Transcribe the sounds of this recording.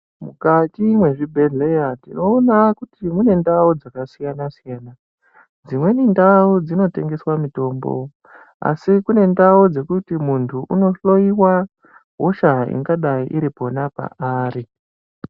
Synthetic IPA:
mukatimwe̞ʐibʱe̞ɮe̞jatino̞ːnakutimune̞ndaud͡zakasijanasijana | d͡zimwe̞nindaud͡zino̞te̞ŋɡe̞swamito̞ːmbo̞̰ | a̰sikune̞ndaud͡ze̞kutimuntʰuʔuno̞ɬo̞iwa | ɦoʃaḭŋɡaɗaiʔiɾipo̞napa̰aːɾi

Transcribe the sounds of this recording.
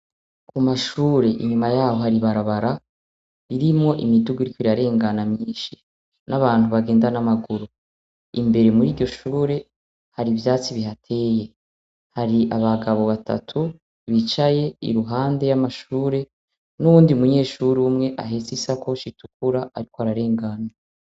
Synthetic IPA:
kumaʃuːɾe̞ʔḭɲumajaːho̞haɾiβaɾaβaɾa | iɾimŋo̞ʔimiduɡuiɾikoiaɾe̞ːŋɡanamɲiːʃi | naβaːn̥huβaɡe̞ːndanamaɡuɾu | imbe̞ɾe̞muɾiːɾɟo̞ʃuːɾe̞ | haɾivjaːt͡siβiɦatʰe̞ːje̞ | haɾiaβaɡaβo̞βatʰa̰tʰu | βit͡ʃaje̞ḭɾuɦaːnde̞jamaʃuːɾe̞ | nuβuːndiumuɲe̞ːʃuːɾiumŋe̞ʔaɦesisakot͡ʃituk̚ʰuɾaaɾikoaɾaɾe̞ːŋɡaːna

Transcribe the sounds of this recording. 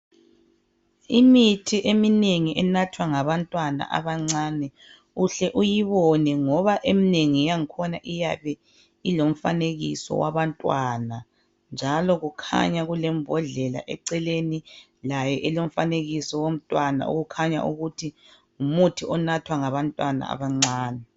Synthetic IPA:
imitʰiʔemineŋiʔɛnatʰwaŋaβantʼwana̰ʔa̰βaŋ͡ǀanɛ | uɬɛʔujiβɔnɛŋɔβaʔemineŋijaŋikʰɔnaʔijaβɛ | ilom̩faneɣisɔ̰waβantʼwaːna | nd͡ʒʱalɔɣukʰa̰ɲaɣulɛmbʱɔɮɛla̰ʔɛ̰ǀɛleni | lajɛʔɛlom̩faneɣisɔwom̩tʼwana̰ṵɣukʰaɲa̰ʔṵɣutʰi | umutʰiʔɔnatʰwaŋaβantʼwana̰a̰βaŋ͡ǀaːnɛ

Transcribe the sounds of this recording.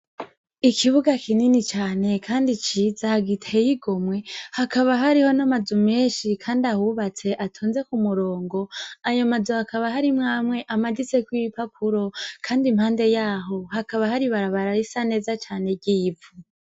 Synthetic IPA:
ikʰiβuɡakʰininit͡ʃaːne̞kʰaːndit͡ʃizahaɡitʰejiɡo̞mwe̞hakaβaɦaɾiho̞namazume̞ːnʃikʰaːndiahuβat͡se̞ʔatʰuːnze̞kumuɾo̞ːŋɡo̞ajomazuhakaβaɦaɾimŋaːmŋwe̞ʔamadit͡se̞kwiipapʰuɾo̞kʰaːndimhaːnde̞jaːɦo̞hakaβahaɾiβaɾaβaɾaɾisane̞ːzat͡ʃaːne̞ɟiːbvu

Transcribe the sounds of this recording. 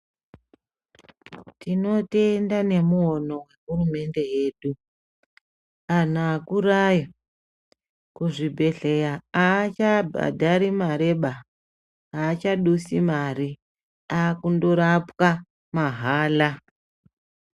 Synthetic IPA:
tino̞te̞ndane̞muo̞no̞we̞ɦurume̞nde̞je̞ːɗu | an̤aːkuraja | kuʐibʱe̞ɮe̞jaaːt͡ʃabʱa̰dʱaɾimaɾe̞ɓa | aːt͡ʃaɗusimaɾi | aːkundoɾapwa | maɦaːla

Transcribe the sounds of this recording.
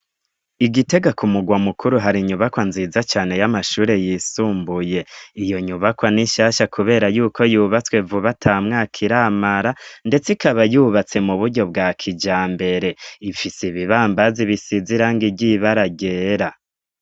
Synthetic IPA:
iɡite̞ɡakumuɡwamukʰuɾuɦaɾiɲuβakwanzizat͡ʃaːne̞jamaʃuːɾe̞jisuːmbuje̞ijo̞ɲuβakwaniʃaʃakʰuβe̞ːɾajuːkʰo̞juːβat͡swe̞vuβatʰamŋaːkʰiɾaːmaɾande̞t͡sikaβajuːβat͡se̞muβuɾɟo̞b̚ɡaːkʰid͡ʒaːmbe̞ɾe̞ifisiβiβaːmbaziβisiziɾaːŋɡiɟiβaɾaɡe̞ːɾa

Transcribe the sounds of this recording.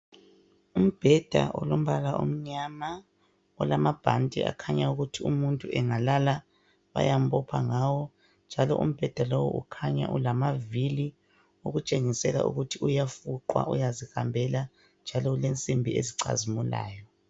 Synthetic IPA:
um̩b̥ʱɛd̥ʱa̰ʔɔ̰lom̩βalaʔṵm̩ɲama | ɔlamab̥ʱantʼḭa̰kʰaɲauɣutʰiumuntʼuʔɛŋalala | βa̰jam̩bʰʼɔpʰa̰ŋawɔ | nd͡ʒʱalɔʔṵm̩b̥ʱɛd̥ʱalɔwɔʔukʰaɲa̰ʔulamavili | uɣut͡ʃʼeŋisɛla̰ʔṵɣutʰiujafuǃwa̰ʔujazihambʱɛla | nd͡ʒʱalɔlent͡sʼimbʱiḛziǀa̰zimula̰ːjɔ

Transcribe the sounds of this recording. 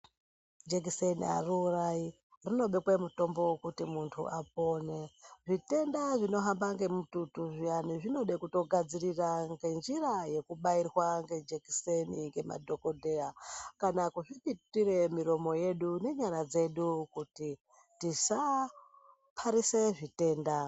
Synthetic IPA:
d͡ʒeɡisenḭa̰ruːrai | rino̞ɓekwemuto̞mbo̞kutimuntʰṵʔap̚o̞ːneʐite̞ndaʐino̞ɦambaŋɡe̞mututuʐianiʐino̞ɗekuto̞ɡʱad͡ziriraŋɡe̞nd͡ʒiraje̞kuɓairwaŋɡe̞d͡ʒekiseniŋɡe̞ma̰dʱo̞ko̞dʱe̞akanakuʐipitire̞miɾo̞mo̞je̞ɗune̞ɲaɾad͡ze̞ɗukuti | tisa | pʰaɾise̞ʐite̞ːnda

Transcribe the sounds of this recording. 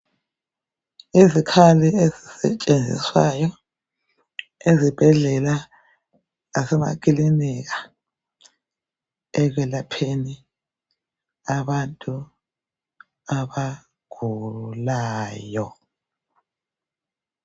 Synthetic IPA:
izikʰaliezisɛ̰t͡ʃʼend͡zʱḭswajɔ | ezib̥ʱɛɮɛla | asɛma̰k̬ʼilinik̬a | ɛɣ̬ɛlapʰeni | aβantʼu | aβa | ɡ̥ʱulaːjɔ

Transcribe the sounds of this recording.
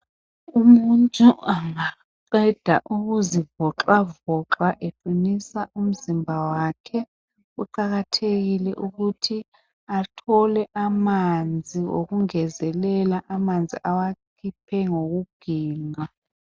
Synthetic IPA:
umuntʼuaŋa | ǃɛd̥ʱaʔuɣuzivɔǁwavɔǁaʔefunisaʔum̩zimbʱawakʰɛ | uǃaɣatʰeɣilɛʔuɣutʰi | atʰɔlɛʔamand͡zʱiwo̰ɣuŋɛzɛlɛlaʔamand͡zʱiʔawakʰipʰɛŋoɣuɡ̥ʱiːŋa

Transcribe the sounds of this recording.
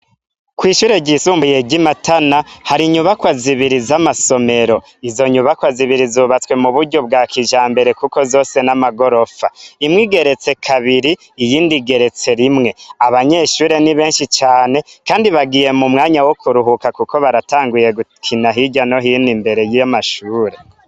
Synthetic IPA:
kwiːʃuːɾe̞ɟisuːmbuje̞ɟimatanahaɾiɲuβakwaziβiɾizamaso̞me̞ɾo̞ | izo̞ɲuβakwaziβiɾizuβat͡swe̞muβuɾɟob̚ɡaːkʰiʒaːmbe̞ɾe̞kuko̞zo̞ːse̞namaɡo̞ɾo̞faimŋiːɡe̞ɾe̞t͡se̞kʰaβiɾiː | jiːndiɡe̞ɾe̞t͡se̞ɾimŋe̞aβaɲe̞ʃuːɾe̞niβe̞ːnʃit͡ʃaːne̞kaːndiβaɡije̞mumŋaːɲawokʰuɾuɦukakuko̞βaɾataːŋɡujeɡukʰinaɦiɟano̞ɦinimbeɾe̞jamaʃuːɾe̞

